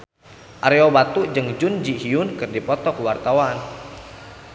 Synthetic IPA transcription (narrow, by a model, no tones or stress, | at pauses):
ʔaɾeobat̪uʔd͡ʒɨŋd͡ʒund͡ʒihiʊnkɨrdipɔt̪ɔkəwart̪awan